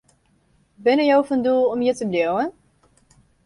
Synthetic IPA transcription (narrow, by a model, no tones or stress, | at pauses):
bɪnəjowfəndulˠɔmjətəblowwən